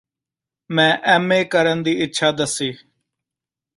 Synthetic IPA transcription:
mɛ̃ːʔɛːmeːkəɾənd̪iːɪtːʃʰaːd̪əsiː

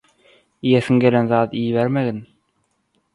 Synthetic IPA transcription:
ijeθiŋɡe̞lenðɑːd̪ijβeɾmeɣin

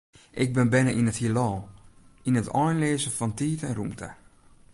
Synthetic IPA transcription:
ʔɪk̚bɪnbɛnəʔinəthilɔːinətʰɔjnleːzəfɔntiːtɛnrumtʰə̰

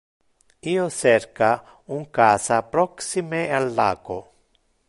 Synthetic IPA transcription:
iːot͡ʃɛrka | uŋkaːsapɾɔksimealːa̰ːɡo

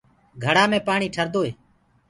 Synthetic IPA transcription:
ɡʱəɽaːmẽːpaːɳiːʈʰəɾd̪oːɦeː

